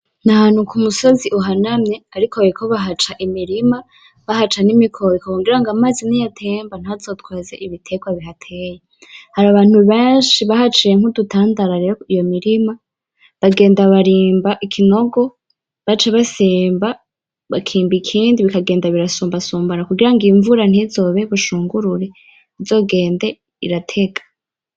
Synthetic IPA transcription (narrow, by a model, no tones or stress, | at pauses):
naɦanhukʰumuso̞ziʔuɦanamɲe̞aɾikʰoekʰoβaɦat͡ʃaʔimiɾima | βaɦat͡ʃanimikʰoɾikooŋɡiɾaŋɡamaːzinijatʰe̞ːmbanazotwaːzeʔiβitʰeɡwaβiɦatʰejehaɾaβaːn̥huβe̞ːnʃiβahat͡ʃijeŋ̥hudutʰaːndaɾaɾeɾoijo̞miɾima | βaɡe̞ːndaβaɾiːmbaʔikʰino̞ɡo̞ | βat͡ʃaβasiːmba | βakʰiːmbikʰiːndiβikaɡeːndaβiɾasuːmbasuːmbaɾakuɡiɾaŋɡiːɱvuɾan̥izo̞ːβeβuʃuːŋɡuɾuɾe̞ | izo̞ːɡe̞ːnde̞ | ḭɾatʰe̞ɡḁ